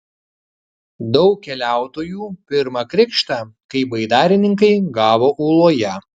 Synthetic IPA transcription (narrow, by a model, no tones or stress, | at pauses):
d̪ɒʊkʲkʲɛlʲæˑʊt̪oːjuːpʲɪɾmɐkɾʲɪkʃt̪ɑːkɐɪbɐɪd̪ɑːɾʲɪnʲɪŋkɐɪɡɑːʋoːʔuːlˠoːjɛ